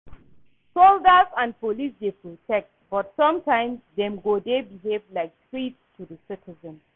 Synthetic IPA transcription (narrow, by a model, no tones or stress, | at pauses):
soldazãnpolisdepɹotʰɛk̚t̚bɔtsɔ̃mtãɪ̃msdɛ̃mɡodebiɦevlaɪk̚tɹitstʰudəsɪtʰizə̃n